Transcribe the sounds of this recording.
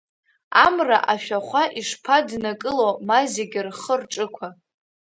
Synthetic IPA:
amraʔaʃᶣaχʷaʔiʂpʰadnakʼɨlomazeɡʲɪrχərʈ͡ʂʼɨkʷʰa

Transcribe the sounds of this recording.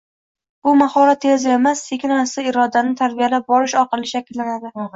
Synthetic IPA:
bʊmahɒɾat̪ʰːezɪemasːʰekʲɪnɒsɪɪɾɒd̪anɪt̪ʰaɾbijalap̚bɒɾɪʃɒqɨlˠɪʃakʲɪlːanad̪ɪ

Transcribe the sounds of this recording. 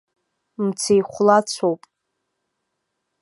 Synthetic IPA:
mt͡sʰejχʷlat͡sʷʰowpʼ

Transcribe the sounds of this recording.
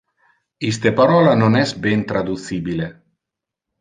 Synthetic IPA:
ist̪epaɾɔlanonɛsbɛnt̪ɾad̪uθibile

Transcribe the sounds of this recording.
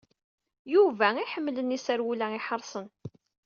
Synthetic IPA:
juvæiħəmːlənisæɾwulæɪħəɾˤsˤən

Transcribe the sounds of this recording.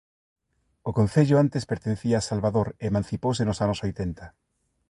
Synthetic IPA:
okõn̟θeʎʊant̪espeɾt̪enθiaːsalβaðoɾemãn̟θipowsenʊsanosojt̪ent̪a

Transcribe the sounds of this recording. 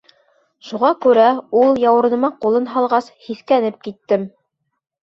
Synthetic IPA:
ʃuʁɑkʉɾæulˠjɑwɤ̆ɾnɤ̆mɑqulˠɤnɦɑlˠʁɑshiθkænɘp̚kit̪ːɘm

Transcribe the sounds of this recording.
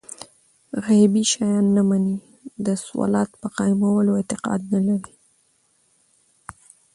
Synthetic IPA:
ɣabiʃɑjɑnːamani | d̪əswɑ̰lɑt̪pəqɑjmawəloɪt̪ɪqɑ̰d̪̚nalaɾi

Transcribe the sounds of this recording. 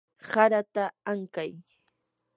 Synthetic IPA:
saɾat̪aaŋkaj

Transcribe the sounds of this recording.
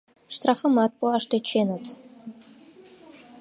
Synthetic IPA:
ʂtʰrafɐmat̚ʼpʷʼɔaʂtʰat͡ʃʰenatʰʼ

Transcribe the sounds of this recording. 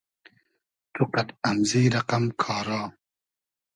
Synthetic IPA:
t̪ʰuqɐt̪ɐmziːɾɐqamkʰɑːɾɑː

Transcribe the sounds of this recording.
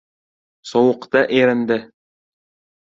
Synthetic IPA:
sɒwɤ̆qt̪ɑʔɘ̆jɾænd̪ɘ

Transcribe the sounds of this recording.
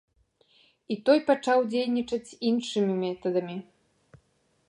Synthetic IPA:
it̪ɔjpat͡ʂawd͡zʲejnʲit͡ʂɐt͡sʲinʂɨmʲimʲɛt̪ɐd̪ɐmʲi

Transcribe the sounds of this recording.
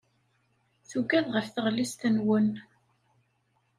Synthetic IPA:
θuɡæðʁəfθəʁlist̪ənwən

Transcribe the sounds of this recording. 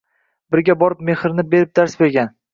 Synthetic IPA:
bɪɾɡʲabɒɾɪp̚me̞hɪɾnɪbe̞ɾɪp̚d̪aɾsbe̞ɾɡʲan

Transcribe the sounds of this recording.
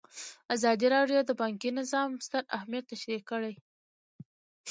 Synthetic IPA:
azɑd̪iɾɑɖjod̪əbɑŋkinɪzɑmst̪əɾahmjat̪ːaʃɾikəɽaj

